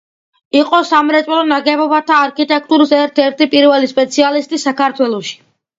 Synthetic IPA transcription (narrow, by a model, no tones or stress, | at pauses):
iqʼɔsamɾɛt̪sʼɛlˠɔnaɡɛbɔbat̪ʰaːɾkʰit̪ʼɛkʰt̪ʼuɾisɛɾt̪ʰɛɾt̪ʰipʼiɾvɛlispʼɛt̪sʰialist̪ʼisakʰaɾt̪ʰwɛlˠɔʃi̥